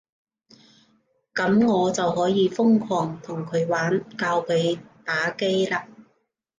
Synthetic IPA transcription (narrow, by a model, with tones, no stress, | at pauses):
kɐ˨˥mŋɔː˨˧t͡sɐ˨whɔː˨˥jiː˨˧fʊ˥ŋkʰɔː˨˩ŋt̪ʰʊ˨˩ŋkʰɵ˨˧ɥwaː˨˥nkaː˧wkʰɵ˨˧ɥt̪aː˨˥ke˥jlaː˧